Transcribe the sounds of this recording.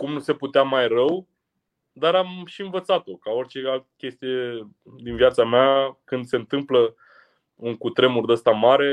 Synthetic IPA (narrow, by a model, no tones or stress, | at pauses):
kumnuse̞put̪eamajrəw | d̪aɾamʃiɨnvət̪sat̪o̞kao̞rʲt͡ʃe̞alt̪ə̥kʲe̞st̪ije̞ | d̪inviat̪sameakɨnd̪se̞ɨnt̪ɨmplə | ɨŋkut̪ɾe̞murd̪əst̪amaɾe̞